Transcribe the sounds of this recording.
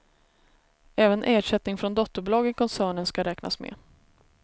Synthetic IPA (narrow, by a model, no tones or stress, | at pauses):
ɛːvənʔæːʂɛt̪nɪŋfɾɔnd̪ɔt̪ːəɾblɑːɡɪkʰɔnsæːɳənskaɾɛːkna̰smḛː